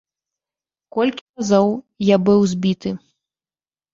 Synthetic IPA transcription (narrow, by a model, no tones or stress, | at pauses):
kɔlʲkʲirazɔw | jabɨwzʲbʲit̪ɨ